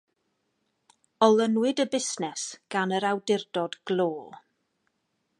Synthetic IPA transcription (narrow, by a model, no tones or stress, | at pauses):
ɔlˠənwɪdəbɪsnɛsɡ̥anəɾawdɪrdɔdɡ̥lˠoːlˠ